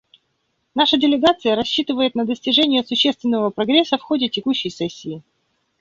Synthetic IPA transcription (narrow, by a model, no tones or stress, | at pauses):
naʂədʲɪlʲɪɡat̪sɨjəɾɐɕːit̪ɨvəjɪt̪nəd̪əsʲtʲɪʐɛnʲɪjəsʊɕːest̪vʲɪnːəvəpɾɐɡɾʲesːəfxo̞dʲɪtʲɪkuɕːɪjsɛsʲːɪː